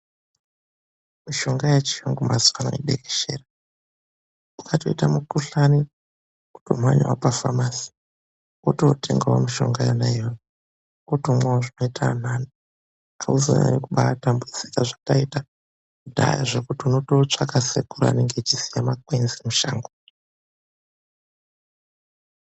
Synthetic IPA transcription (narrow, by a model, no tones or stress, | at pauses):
miʃo̞ŋɡajat͡ʃijoŋɡumazwana̰ḭɗeke̥ʃḛːra | ukʰato̞itamukuɬani | u̥to̰mwaɲwapafamasi̥ | ototʰḛŋɡawomiʃo̞̰ŋɡajanajoːna | otomwawoʐino̞itʰaan̤ano | auzo̰na̰nekuɓatambud͡zikaʐataita | dʱa̰ja̰ʐekutiuno̞tot͡ʂakasekuɾa̰neŋɡet͡ʃisijamakwenzimuʃaːŋɡo